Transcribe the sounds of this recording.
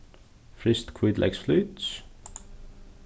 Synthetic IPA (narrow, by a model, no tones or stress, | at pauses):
fɾɪst̪kʰwid̪lʔɛ̰ksfluːt̪s